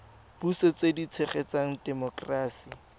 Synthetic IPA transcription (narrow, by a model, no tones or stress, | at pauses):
b̥uset͡sedit͡sʰeχet͡saŋ̩dɛmɔkraːsi